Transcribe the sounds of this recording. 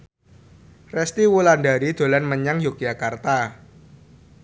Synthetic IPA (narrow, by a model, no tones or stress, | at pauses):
rɛst̪iwulandaɾid̪̥o̤lanməɲaŋjoɡ̥jakart̪a